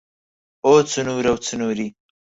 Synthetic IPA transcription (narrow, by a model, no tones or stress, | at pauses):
ot͡sənuɾawt͡sənuɾi